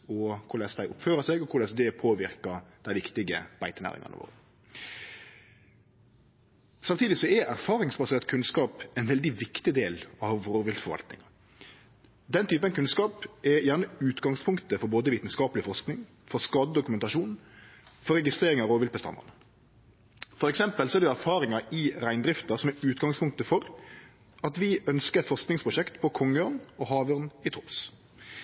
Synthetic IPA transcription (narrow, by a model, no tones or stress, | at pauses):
ɔkʰʊlɛsd̪æɪʔʊpføːɾəsɛɡɔkʰʊɾlɛsd̪ɛpʰoːʋɪɾkɑd̪̥æɪʋɪkt̪ɪɡə̰b̥æɪt̪ənæ̰ːɾɪ̰ŋɑ̰nə̰ʋo̰ːɾə | sɑmt̪ʰiːd̪ɪsɔɛʔæɾfɑːɾɪŋsbɑseːʁt̪̚kʰʉnskɑːpɛnʋɛld̪ɪʋɪkt̪ɪd̪eːlɑʋʁoːʋɪlt̪fɔɾʋɑ̰lt̪nɪ̰ŋɑ | d̪ɛnt̪ʰyːpənkʉnskɑːpɛjæːʁnəʉːt̪ɡɑŋspʰʊŋkt̪əfɔɾboːd̪əʋiːt̪n̩skɑːpəlɪfɔʁsknɪŋ | fɔskɑːd̪əd̪ʊkʉmɛnt̪ɑʃuːnfɔɾɛɡɪst̪ɾeːɾɪŋɑʁoːʋɪlt̪̚bəst̪ɑ̰nd̪ɑ̰nə | fɔɾɛksɛmpəlsɔɛʁd̪ʋɛæɾfɑːɾɪŋɑɪɾæɪnd̪ɾɪft̪əɾsɔmɛʉːt̪ɡɑŋspʰʊŋk̚t̪əfɔɾ | ɑt̪ʋɪœnskəɾɛt̪fɔʁsknɪŋspʰɾʊʃɛkt̪pʰɔkʰɔŋːəøːʁnɔɦɑːʋøʁnɪt̪ʰɔps